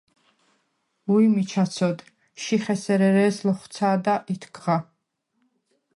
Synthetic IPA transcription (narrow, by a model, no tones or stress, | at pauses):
uimit͡ʃʰat̪sʰɔd̪ | ʃiχɛsɛɾɛɾɛːslɔχsʰaːd̪aʔit̪ʰɡʁa